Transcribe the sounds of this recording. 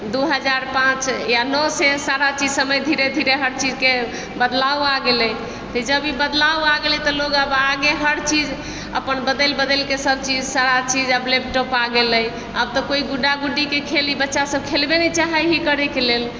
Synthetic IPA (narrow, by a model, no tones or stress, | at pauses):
d̪uɦəd͡ʒaɾpãt͡ʃjanɔsesaɾat͡ʃid͡ʒsəməjd̪ʱiɾed̪ʱiɾeɦəɾt͡ʃid͡ʒke | bəd̪lawaɡeləj | t̪əd͡ʒəbibəd̪lawaɡelɛt̪ɔloɡəbaɡeɦəɾt͡ʃid͡ʒ | ə̰pənbəd̪əlbəd̪əlkesəbt͡ʃid͡ʒsaɾat͡ʃid͡ʒəblep̚ʈɔpaɡeləj | əb̚t̪ɔkoiɡuɖaɡuɖikekʰelibətːʃasəbkʰelbenɛt͡ʃaɦəjɦikəɾɛkelel